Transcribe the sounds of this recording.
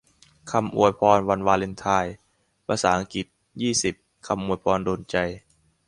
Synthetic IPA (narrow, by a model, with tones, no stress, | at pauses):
kʰa˧mʔṵ˨˩əjpʰɔː˧nwa˧nwaː˧le˧nt̪ʰaː˧˩j | pʰaː˧saː˩˦ʔa˧ŋki˨˩t̪̚ | jiː˥˩si˨˩p̚ | kʰa˧mʔu˨˩əjpʰɔː˧ndoː˧nt͡ɕa˧j